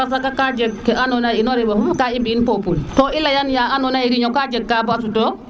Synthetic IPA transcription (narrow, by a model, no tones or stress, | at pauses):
as̬akakad͡ʒɛɡ̚kɛʔanɔnajinɔɾɛbahumkaibiinpopultɔʔilːajanjaanɔnaiɾiɲɔkad͡ʒɛɡ̚kabasutɔ